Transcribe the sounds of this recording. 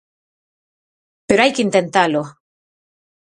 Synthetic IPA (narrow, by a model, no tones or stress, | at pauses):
peɾoajkeint̪ent̪alo